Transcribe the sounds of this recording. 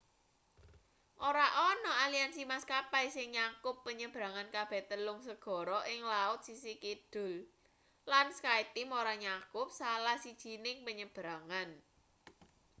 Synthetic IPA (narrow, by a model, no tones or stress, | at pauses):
ʔoɾaʔɔnɔalijansimaskapajsɪŋɲakʊpːəɲəb̥ɾa̤ŋankab̥ɛ̤t̪əlʊŋsəɡ̥ɔ̤ɾɔʔɪŋlaʊt̪̚sisikid̪̥ʊ̤l | lanskait̪imoɾaɲakʊp̚salahsid̥ʒ̥i̤nɪŋpəɲəb̥ɾaŋan